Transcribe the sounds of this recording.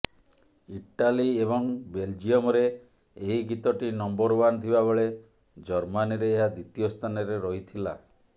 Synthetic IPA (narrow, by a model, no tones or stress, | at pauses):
iʈaliebɔŋbeld͡ʒiɔmɔɾeː | ɦiɡit̪ɔʈinɔmbɔɾbanɔt̪ʰibabeɭe | d͡ʒɔɾmaniɾeːɦad̪it̪ijost̪ʰanɔɾeɾɔɦit̪ʰila